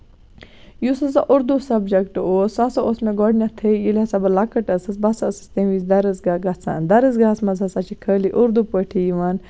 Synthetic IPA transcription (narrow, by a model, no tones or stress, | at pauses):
jusɐzaʔuɾd̪usɐbd͡ʒɐkʈɨoːsasɐʔosmeɡɔɖnʲat̪ʰejilʲɐsɐbɐlɐkɐʈɐsɐsbɐsɐɐsɐ̥st̪ɐnʋizd̪ɐɾɨzɡaɡɐt͡sa̰nd̪ɐɾɨzɡasmɐzɐsat͡ʃʰikʰəːliʔuɾd̪upəʈʰijʋɐn